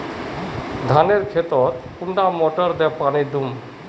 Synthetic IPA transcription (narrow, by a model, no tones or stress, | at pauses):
d̪ʱaneɾkʰet̪ɔt̪kuɳɖamɔʈəɾd̪ɛpaɽ̃id̪um